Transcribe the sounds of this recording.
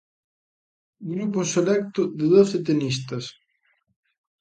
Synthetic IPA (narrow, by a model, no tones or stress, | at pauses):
ɡɾupʊselɛk̚t̪ʊðɪðoθet̪̬enist̪ɐs